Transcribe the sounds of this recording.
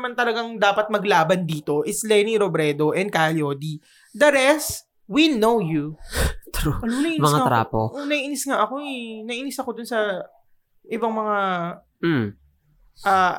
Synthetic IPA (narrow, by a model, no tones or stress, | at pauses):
mant̪ɐlɐɡaŋd̪aːpɐt̪̚mɐɡlaːbɐnd̪iːt̪o̞ʔɪslɛniɾobɾɛd̪o̞ʔɛn̚kaljoːd̪i | d̪ɐɾɛst̪ | winowjut̪ɾunɐʔmɐŋat̪ɾa̰ːpo̰ʔonɐʔiːɪnɪsŋaʔɐko̞ɛnɐʔinɪsɐkod̪ʊnsɐ | ʔɪbaŋmɐŋa | ʔaː